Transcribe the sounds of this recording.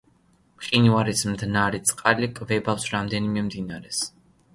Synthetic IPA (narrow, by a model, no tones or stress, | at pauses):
pqʼinuaɾismd̪naɾit̪sʼqʼalikʼvɛbafsɾamd̪ɛnimɛmd̪inaɾɛs